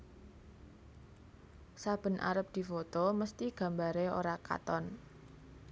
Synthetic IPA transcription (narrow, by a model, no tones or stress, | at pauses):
sab̥ə̤nʔa̰ɾəp̚d̪̥i̤fot̪oməst̪iɡ̥ä̤mbaɾeo̰ɾaka̰t̪ɔn